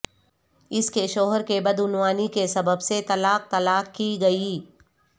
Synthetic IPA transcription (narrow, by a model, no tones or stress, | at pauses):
ɪskeʃɔːɦəɾkebɐd̪ʊnwaːnikesɐbəbset̪ɐlaːq̚t̪ɐlaːqkiɡɐi